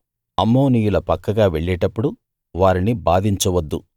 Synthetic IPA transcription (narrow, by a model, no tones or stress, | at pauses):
ɐmːoːniːjulɐpɐkːɐɡaːʋeɭːɛːʈɐpːuɽu | ʋaːɾinibaːd̪ʱiɲt͡ʃɐʋɐd̪ːu